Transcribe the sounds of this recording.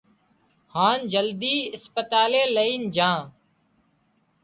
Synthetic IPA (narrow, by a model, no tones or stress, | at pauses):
haːnd͡ʒəld̪iːɪspət̪aːleːləiːnd͡ʒãː